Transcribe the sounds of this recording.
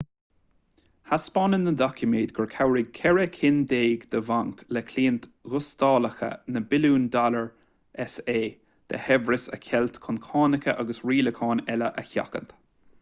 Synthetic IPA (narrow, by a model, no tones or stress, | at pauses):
haspɑnənːəd̪ɔkʰjəmeːd̪̚ɡəɹkʰawɾɪɡ̚kʰɛɹɛkʰɪnd̪eːɡd̪̥əvaŋklɛkʰliːnt̪ɣʊst̪ɑːləxə̰nəbɪluːnd̪aləɹ | ʔɛseː | d̪̥ə̰hɛvɹɪsə̰kʰɛlt̪kʰʊnkʰɑːnɪkəʔaɡəsɹiːləkʰɑːnɛləʔəça̰kə̰nt̪